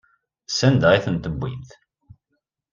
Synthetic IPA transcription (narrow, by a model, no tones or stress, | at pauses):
sænd̪æʁiθənt̪əbːḭt̪